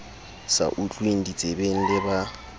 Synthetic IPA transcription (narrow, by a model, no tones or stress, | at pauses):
sa̰ʔut͡ɬʼweŋ̩dit͡sʼebeŋ̩lɪba